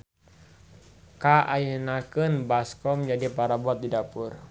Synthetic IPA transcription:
kaʔajənakɨnbaskɔmd͡ʒadipaɾabɔt̪̚didapur

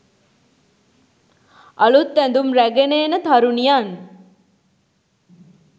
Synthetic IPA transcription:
ɐlut̪ːænd̪umɾæɡeneːnət̪ʰaɾunijan

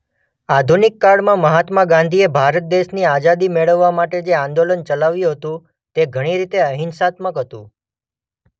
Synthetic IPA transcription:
ad̪ʱunɪkːaɭmãməɦat̪maɡãnd̪ʱiebʱaɾət̪̚d̪eʃniad͡ʒad̪imeɭəʋːamaʈed͡ʒeãnd̪olənt͡ʃəlaʋjũɦət̪ũ | t̪eɡʱəɽ̃iɾit̪eəɦinsat̪məkɦət̪ũ

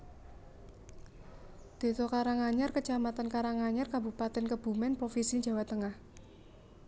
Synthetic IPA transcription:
d̪̥e̤t̪ɔkaɾaŋaɲarkət͡ʃamat̪ankaɾaŋaɲarkabupat̪ɛnkəb̥ṳmɛnpɾofisiɲd͡ʒa̤wat̪əŋah

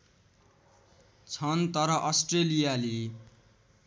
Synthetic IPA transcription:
t͡sʰʌnt̪ʌɾʌʔʌsʈrelijale

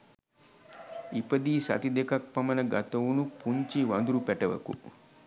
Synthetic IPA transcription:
ipɐd̪iːsɐ̰t̪id̪ekɐk̚pɐmɐnɐɡɐ̰t̪ɐʋunupuɲt͡ʃiʋɐnd̪uɾupɛʈɐʋɐ̰kṵ

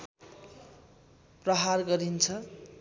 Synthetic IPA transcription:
prʌɦarɡʌɾint͡sʰʌ

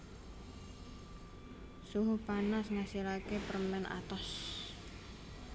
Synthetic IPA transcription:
suɦupanasŋasilakepəɾəmɛnʔa̰t̪ɔs

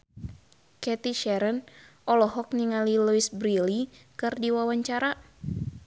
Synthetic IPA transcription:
kɛt̪iʃɛɾənʔɔlɔɦɔk̚niŋaliluisbɾilikɨrdiwawaɲt͡ʃaɾa

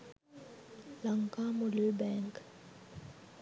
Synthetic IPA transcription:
laŋkamulebɛŋk

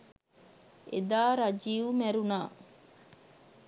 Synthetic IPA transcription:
ḛd̪aːɾad͡ʒiːʋumæɾunaː

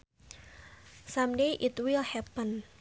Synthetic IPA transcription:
sãmdeʔɪtwilhɛpən

